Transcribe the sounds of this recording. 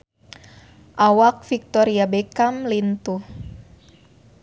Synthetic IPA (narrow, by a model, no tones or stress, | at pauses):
ʔawak̚fik̚t̪ɔɾiabekamlint̪u